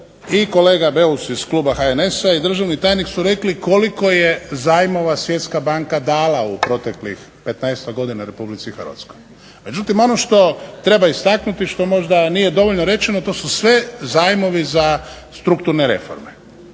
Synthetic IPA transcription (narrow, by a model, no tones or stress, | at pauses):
iko̞le̞ːɡabeusiz̥kluːbaxaene̞said̪r̩ʒaʋnit̪aːjniksuɾe̞kliko̞liko̞jezaːjmo̞ʋasʋje̞t̪skabaŋkad̪aːlaupɾo̞t̪e̞klḭx | pe̞t̪najst̪aɡo̞d̪inaɾe̞publit̪sixəɾʋa̰t̪skoj | me̞d͡ʒut̪imo̞noʃt̪o̞t̪ɾe̞baist̪aknut̪iʃt̪o̞mo̞ʒd̪anije̞d̪o̞ʋo̞ʎnoɾe̞t͡ʃenot̪o̞ːsusʋe̞zaːjmo̞ʋiza | st̪ɾukt̪uɾneɾe̞̰fo̰ɾme